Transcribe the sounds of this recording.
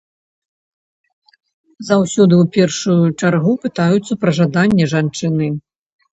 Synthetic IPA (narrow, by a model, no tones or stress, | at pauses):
zawsʲɔd̪ɨwpʲɛrʂujut͡ʂarɣupɨt̪ajut̪sːɐpɾɐʐad̪anʲːɛʐant͡ʂɨnɨ